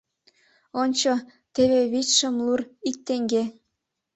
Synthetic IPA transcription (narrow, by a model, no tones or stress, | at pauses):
onʲt͡ɕɤ | t̪eβeβit͡ɕʃɤ̆mlurik̚t̪eŋɡʲe